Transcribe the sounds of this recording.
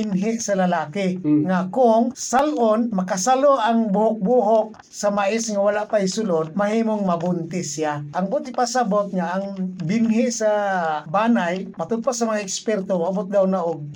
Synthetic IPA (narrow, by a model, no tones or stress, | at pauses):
ɪnɦɪʔsɐlɐlaːkɪŋakʊŋsalʔonmɐkasaloʔaŋbʊhʊk̚buːɦok̚ | sɐmaʔɪsŋawalaʔpajsʊlod̪̚mɐɦiːmoŋmɐbʊnt̪ɪsiaʔɐŋbʊt̪ɪpasabot̪̚ŋaʔːŋbɪnɦɪʔsabaːnajmɐt̪ʊd̪̚pasɐmɐŋaʔɪkspɛrt̪omabʊt̪̚d̪awnaʔoɡ̚